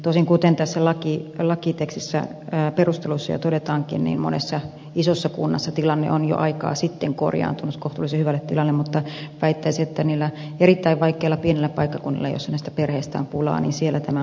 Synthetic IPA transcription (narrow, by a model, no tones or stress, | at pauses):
t̪oˑisiŋkut̪ent̪æsːælɑkilɑkit̪ekst̪isːæ̰ː | perust̪elusːɑjɑ̰t̪odet̪ɑːŋkḭnnḭːmmo̰nḛsːɑ | isosːɑkunːɑsːɑt̪ilɑnːḛʔonjo̰ʔɑikɑ̰ːsit̪ːeŋko̰rjɑ̰ːnt̪unuskoht̪ulːˑisehyʋælːet̪t̪ilɑnːemmut̪ːɑʋæit̪ːæisiet̪ːæniːlːæ | erit̪ːæiʋʋɑikˑeːlːɑpienilːeppɑikːɑkunːḭlːḛjo̰sːɑnæist̪æperheːst̪æ̰ːmpulɑ̰ːnḭːnsielːæt̪æmæ